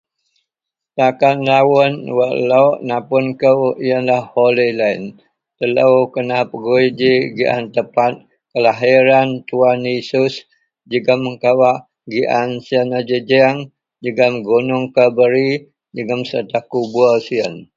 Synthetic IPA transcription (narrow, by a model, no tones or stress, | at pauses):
t̪akanlawənwəʔlawʔnapʊnkəwiənlahholilain | t̪ələwkənahpəɡuid͡ʒiɡiʔa̰nt̪əpat̪̚ | kəlaɦiɾant̪uanisʊs | d͡ʒəɡəməŋkawaʔ | ɡiʔansiənad͡ʒəd͡ʒɛŋ | d͡ʒəɡəmɡunʊŋkəbəɾi | d͡ʒəɡəmsərt̪ahkubuəsiən